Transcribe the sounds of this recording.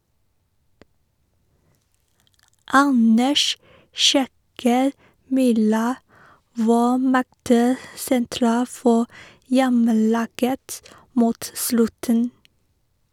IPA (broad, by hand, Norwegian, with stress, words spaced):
ˈɑnəʃ ˈʃɛkəɾ ˈmyːɾɑ ˈʋɑː ˈmɛɡtə sɛnˈtɾɑː ˈfɔ ˈjɛməˌlɑːɡət ˈmuːt ˈslʉtən